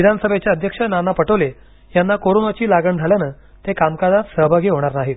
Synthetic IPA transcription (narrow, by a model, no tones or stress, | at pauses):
id̪ʱanəsəbʱet͡ɕjaəd̪ʱjəkʂənanapəʈəʋle | janːakoɾonot͡ɕiːlaɡəɳd͡zʱaljanəː | t̪ekamkad͡zat̪səɦbʱaɡʱiːɦoɽ̃aɾnaɦi